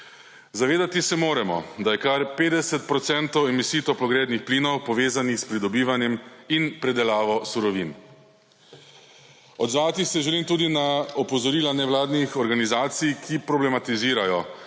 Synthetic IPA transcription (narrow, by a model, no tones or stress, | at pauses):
zaʋeːd̪at̪isɛmoːɾɛmɔ̰d̪ajɛkaɾpeːd̪ɛsɛt̪̚pɾɔt̪sɛnt̪ɔwɛmisiːt̪ɔpɔɡɾɛːd̪nixpliːnɔwpɔʋeːzanixspɾid̪ɔbiːʋanjɛminpɾɛd̪ɛlaːʋɔsuɾɔʋin | ɔd̪zʋaːt̪ixsɛʒɛliːmt̪uːd̪inaɔpɔzɔɾiːlanɛʋlaːd̪nixɔɾɡanizaːt̪sijkʰipɾɔblɛmat̪iziːɾajɔ